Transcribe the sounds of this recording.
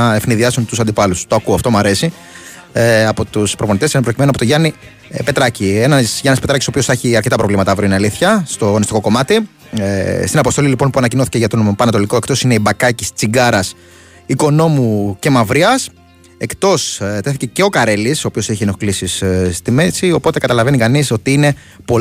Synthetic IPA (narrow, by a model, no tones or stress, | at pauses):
ɐefniðiɐsunt̪usɐnd̪ipɐlust̪oɐkuoɐft̪o̞mɐɾe̞si | ɐpo̞t̪uspɾopo̞nit̪esinepɾocime̞nuɐpot̪oʝɐni | pe̞t̪ɾɐcienɐsʝɐnɐspe̞t̪ɾɐcisopio̞sɐçiɐɾcet̪ɐpɾo̞vlimɐt̪ɐvɾioinɐliθçɐst̪o̞onist̪iko̞ko̞mɐt̪i | st̪inɐpost̪o̞lilipo̞npuɐnɐcinoθiceʝɐt̪onompɐnɐt̪o̞liko̞e̞kt̪o̞sine̞ibɐkɐcist͡siɡɐɾɐs | iko̞no̞muce̞mɐvɾiɐs | e̞kt̪o̞st̪eθice̞ce̞o̞kɐɾe̞lisopio̞seçienoklisisst̪ime̞sio̞po̞t̪e̞kɐt̪ɐlɐve̞nikɐniso̞t̪iine̞ | po